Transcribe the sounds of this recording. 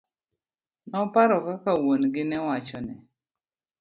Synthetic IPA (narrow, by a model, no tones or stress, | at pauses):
nɔpaɾɔkakawonɡɪnɛwat͡ʃɔnɛ